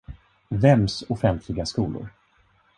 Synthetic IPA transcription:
vɛmsʊfɛnt̪ʰlɪɡaskuːlʊ̰ɾ

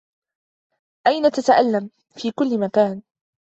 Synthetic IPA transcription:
ʔajnat̪at̪aʔalːam | fiːkʊlːɪmakaːn

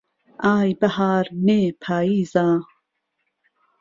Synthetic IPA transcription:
aːjbɐhaːɾneːpʰaːiːzaː

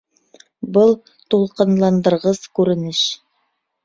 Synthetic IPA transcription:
bɤlˠ | t̪ulˠqɤ̆nlˠɑnd̪ɤ̆ɾʁɤzkʉɾɘ̆nɘʃ

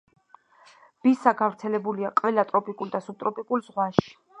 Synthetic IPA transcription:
b̥isaɡavɾt̪sʰɛlɛbuliaqʼvɛlat̪ʼɾɔpʼikʼuld̪asub̚t̪ʼɾɔpʼikʼulzʁwaʃi̥

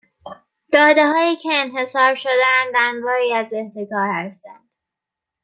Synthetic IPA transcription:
d̪̥ɒːd̪eɦɒːjiːcʰe̞ːnɦe̞sɒːɾʃo̞d̪eænd̪ænd̪vɒːɾiːæzeht̪ʰekɒːɾhæst̪ænd̪̥

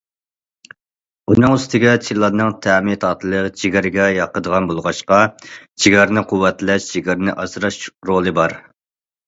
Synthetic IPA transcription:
unɨŋyst̪ʰɪɡʲɛt͡ʃʰilˠɑnɨŋt̪ʰæmt̪ɑːt̪ʰɨlˠət͡ʃʰiɡʲæɾɪɡʲɛjɑqʰəd̪əʁɑnbolˠʁɑʃqɑt͡ʃʰiɡʲɛɾɪnɪqʰuwːɛt̪ʰlɛʃt͡ʃʰiɡʲɛɾɪnɪʔɑzɾɑʃɾolˠɨbɑɾ

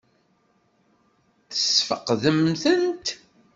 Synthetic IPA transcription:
θəsfəqðəmθənt̪

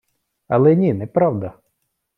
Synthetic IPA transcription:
ɐ̰lˠɛnʲinɛpɾɑwd̪ɐ

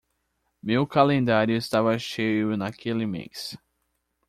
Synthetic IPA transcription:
mewkalẽnd̪aɾjʊɪst̪avɐʃejʊnakʰelɪmḛjs

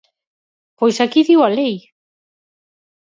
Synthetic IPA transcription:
pojsakiðiwalej

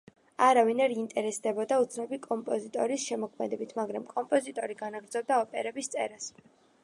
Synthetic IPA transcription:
aɾavinaɾiint̪ʼɛɾɛsd̪ɛbɔd̪aut̪sʰnabikʼɔmpʼɔzit̪ʼɔɾisʃɛmɔkʰmɛd̪ɛbit̪ʰmaɡɾamkʼɔmpʼɔzit̪ʼɔɾiɡanaɡɾd̪zɔb̚d̪aɔpʼɛ̰ɾɛbist̪sʼɛ̰ɾas

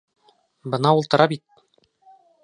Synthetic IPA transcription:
bɤ̆nɑulˠt̪ɤ̆ɾɑbit̪̚

